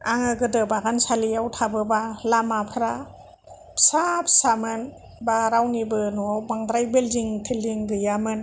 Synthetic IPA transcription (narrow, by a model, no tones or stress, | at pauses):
aŋɯɡɯdɯbaɡansalijawtʰabɯbalamapʰɾa | pʰsapʰsamɯn | baɾawnibɯnuawbaŋdɾajbelziŋtʰelːiŋɡɯjamɯn